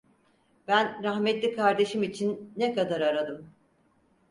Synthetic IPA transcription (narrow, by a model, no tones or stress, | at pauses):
bænɾaɦmɛt̪lʲikʰaɾd̪e̞ʃimit͡ʃʰinːekad̪aɾaɾad̪ɯm